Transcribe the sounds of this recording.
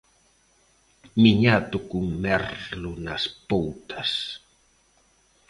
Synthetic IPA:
miɲat̪ʊkuŋmɛrlʊnɐspowt̪ɐs

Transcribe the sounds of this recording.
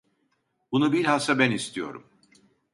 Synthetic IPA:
bunubiɾhasabɛnist̪ʰijo̰ɾṵm

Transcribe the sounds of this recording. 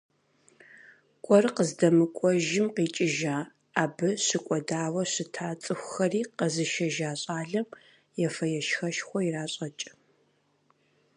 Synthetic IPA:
kʷʼɔrqəzdɐmɨkʷʼɔʒɪmqiːt͡ʃʼɪʒaː | aːbɨɕɨkʷʼɔdaːwɐɕɨtʰaːt͡sʼɨxʷxɐriːqəzɨʃɐʒaːɕʼaːɮɐm | jɛfɐjɛʃxɐʃxʷɔiraːɕʼɐt͡ʃʼɪ̥

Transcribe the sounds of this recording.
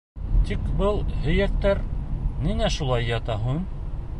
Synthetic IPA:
t̪ikbɤlˠhɵ̆jæk̚t̪æɾninæʃulˠɑjːɑt̪ɑɦʉn

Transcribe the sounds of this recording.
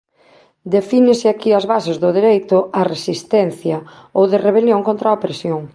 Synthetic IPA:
d̪efinɪsɪakiazβasezðʊðiɾejt̪ʊaresist̪ɛnθjɐ | owðɪreβ̞eljõŋkõnt̪ɾaopɾesjoŋ

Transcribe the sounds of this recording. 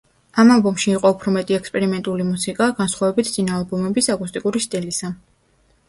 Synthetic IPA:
amalˠbɔmʃiːqʼɔupʰɾɔmɛt̪ʼiɛkspʼɛɾimɛnt̪ʼulimusikʼaɡ̥ansχwavɛbit̪ʰsʼinalˠbɔmɛbisakʼust̪ʼikʼuɾist̪ʼilisa

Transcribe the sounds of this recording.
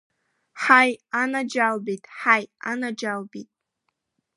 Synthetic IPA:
ħajanad͡ʒalbitʼħajanad͡ʒalbitʼ

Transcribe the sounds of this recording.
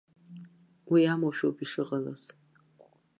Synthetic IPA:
wiamowʃᶣowpiʂɨʁala̰z̥

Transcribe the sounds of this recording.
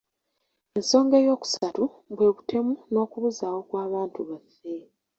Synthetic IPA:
e̞nso̞ːŋɡe̞jo̞ːku̥satu | βwe̞ːβutʰe̞muno̞ːkuβuzaːwo̞kwaːβaːntuβafːe̞

